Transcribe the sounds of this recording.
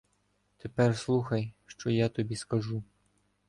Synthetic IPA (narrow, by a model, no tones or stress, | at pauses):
t̪epɛrslˠuxɐjʃt͡ʃɔjat̪ɔbʲiskɐʒu